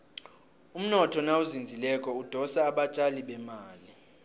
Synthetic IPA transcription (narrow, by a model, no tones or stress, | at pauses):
um̩nɔtʰɔnauzind͡zʱilɛkʼɔud̥ʱɔsaːɓat͡ʃʼaliɓɛmaːli